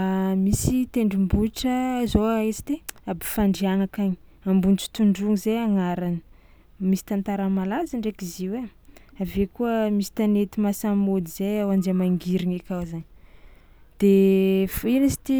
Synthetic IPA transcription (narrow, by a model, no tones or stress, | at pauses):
amisit̪eɳɖ͡ʐimbuʈ͡ʂəzoaet͡si̥t̪eabi̥faɳɖ͡ʐianakaɲiambunt͡si̥t̪uɳɖ͡ʐuŋizejaŋaɾanə | misi̥t̪ant̪aɾamalazəɳɖ͡ʐekiziweavekuəmisi̥t̪anet̪imasammod̪iz̥ejawand͡ʒemaŋɡiɾiŋekʲawzaɲ | d̪̥efinisi̥t̪i